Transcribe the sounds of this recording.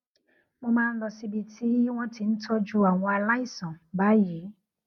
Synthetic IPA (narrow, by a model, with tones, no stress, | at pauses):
mɔ̃˧mãː˦˧n̩˦lɔ˧si˧bi˧tʰi˦w̃ɔ̃˦ti˧n̩˦tʰɔ˦d͡ʒu˦a˨w̃ɔ̃˧a˧la˦i˦˨sã˨ba˨˦ji˨˦